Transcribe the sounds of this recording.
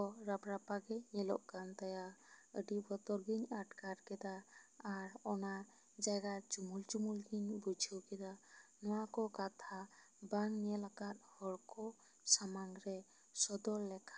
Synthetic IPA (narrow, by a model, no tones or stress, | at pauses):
ɔɾapɾapaɡɛɲɛlɔ̰ʔɡant̪ajaəɖibɔt̪ɔɾɡiɲaʈkaɾkɛd̪aː | ɾɔna | d͡ʒaɡat͡ʃumult͡ʃumulɡiɲbud͡ʒʱəwkɛd̪anɔwakɔkat̪ʰa | baŋnɛlaɡat̪̚hɔɾkɔ | samanɾɛ | sɔd̪ɔlːɛkʰḁ